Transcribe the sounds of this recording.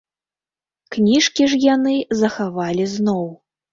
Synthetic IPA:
knʲiʂkʲiʐjanɨzɐxavalʲiznɔw

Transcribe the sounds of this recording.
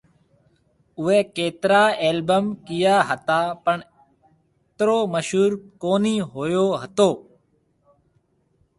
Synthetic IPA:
ʊʋeːkeːt̪ɾaːeːlbəmkɪjaːɦət̪aːpəɳ | t̪ɾoːməʃɦuːɾkoːniːɦoːjoːɦət̪oː

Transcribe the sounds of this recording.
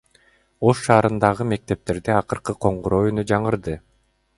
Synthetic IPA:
o̞ʃːɑːɾɯnd̪ɑʁɯme̞k̚t̪e̞p̚t̪e̞ɾd̪eɑqɯɾqɯqʰo̞ɴʁuɾo̞ːjynyd͡ʒɑɴɯɾd̪ɯ

